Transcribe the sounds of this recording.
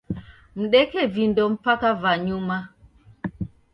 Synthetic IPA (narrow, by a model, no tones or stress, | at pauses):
m̩ɗɛkɛvindɔm̩pakavaɲuma